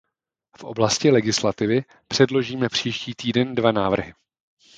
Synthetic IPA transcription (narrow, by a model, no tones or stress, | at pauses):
fʔo̞̰blascɪlɛɡɪslat̪ɪvɪ | pr̝̥ɛdlo̞ʒiːmɛpr̝̥iːʃciːt̪iːdɛndvanaːvr̩ɦɪ